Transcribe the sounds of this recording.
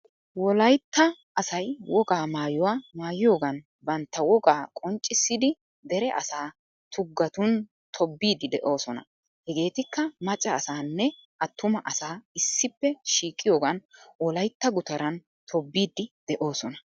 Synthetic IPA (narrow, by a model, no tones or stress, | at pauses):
wɔlɐjt̪ːɐ | ɐsɐjwɔɡaːmaːjʊwaːmaːjɪjo̞ːɡɐn | bɐnt̪ːɐwɔɡaːkʼɔnt͡ʃʼːɪsːɪd̪ɪ | d̪ɛɾɛʔɐsaː | t̪ʰʊɡːɐt̪ʊn | t̪ʰɔbːiːd̪ɪd̪ɛʔo̞ːsɔnɐ̰ | hɛɡe̞ːt̪ɪkːɐmɐt͡ʃʼːɐːsaːnːɛ | ʔɐt̪ːʊmɐʔɐsaːɪsːɪpːɛʃiːkʼːɪjo̞ːɡɐnwɔlɐjt̪ːɐɡʊt̪ɐɾɐn | t̪ʰɔbːiːd̪ɪd̪̥ɛʔo̞ːsɔnɐ